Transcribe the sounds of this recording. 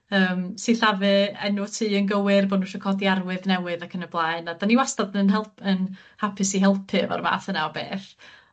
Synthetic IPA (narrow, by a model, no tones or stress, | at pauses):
əːmsiɬavɨɛ̰nutʰiːənɡəwɨrboːdnuʃɔkʰɔdiarwɨðnɛwɨðakʰənəblˠaɨnadaniwastadnənɦɛlˠpʰən | hapʰɨsiɦɛlˠpʰɨva̰rma̰ːθənawbḛːθ